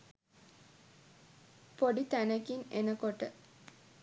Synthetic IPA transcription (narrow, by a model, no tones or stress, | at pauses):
poɖit̪ænəkinenəkoʈə